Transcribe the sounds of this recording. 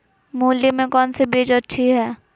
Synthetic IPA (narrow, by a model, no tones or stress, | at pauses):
moːlːimẽkɔːnsebeːd͡ʒətːʃʰiɦɛː